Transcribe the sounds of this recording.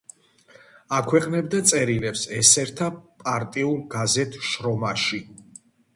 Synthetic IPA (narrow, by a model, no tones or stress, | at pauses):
akʰwɛqʼnɛbd̪at̪sʼɛɾilɛpsɛsɛɾt̪ʰapʼaɾt̪ʼiulˠɡazɛt̪ʰʃɾɔmaʃi